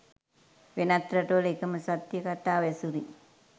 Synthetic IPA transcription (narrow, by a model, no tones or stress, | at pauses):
ʋenat̪ɾɐʈəʋəlekəməsat̪jəkat̪aːʋɛsuɾḭ